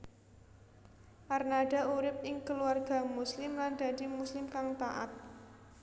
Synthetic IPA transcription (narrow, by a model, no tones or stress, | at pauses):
ʔarnaɖ̥a̤uɾɪp̚ɪŋkəluarɡ̥a̤muslɪmland̪̥a̤d̥imuslɪmkaŋt̪aʔa̰t̪̚